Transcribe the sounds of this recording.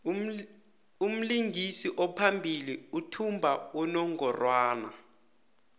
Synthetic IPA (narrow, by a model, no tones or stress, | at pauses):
um̩liŋɡʱisiʔɔpʰambʱiliutʰumbʱaunɔŋʱɔrwaːna